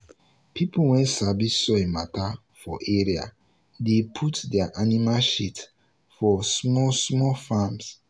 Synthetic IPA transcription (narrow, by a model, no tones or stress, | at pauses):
pʰipuwɛ̃nsabisːɔemata | fɔʔeɹia̰ | depʰutdɛaʔanimaʃit | fɔsmɔsmɔfãms